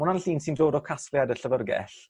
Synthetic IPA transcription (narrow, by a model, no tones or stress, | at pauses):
ʊnanɬiːnsindoːdɔkʰasljadəɬəvərɡɛ̰ɬ